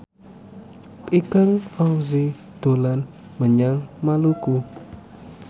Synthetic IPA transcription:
pʼikaŋfaŋzi | d̪̥o̤lan | məɲaŋmaluku

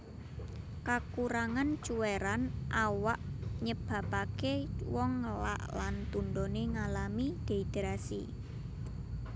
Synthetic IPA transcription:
kakuɾaŋant͡ʃuweɾanʔawaʔɲəb̥a̤pakewɔŋla̰ʔlant̪unɖ̪oneŋalamid̪̥e̤it̪eɾasḭ

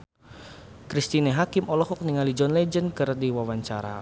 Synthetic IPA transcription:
kɾist̪ineɦakɪmʔɔlɔɦɔk̚niŋalid͡ʒɔnlɛd͡ʒənkərdiwawaɲt͡ʃaɾa̰

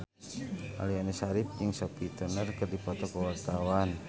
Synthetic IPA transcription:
ʔa̰liɔnɛsaɾip̚jɨŋsɔpit̪ənərkɨrdipɔt̪ɔkəwart̪awan

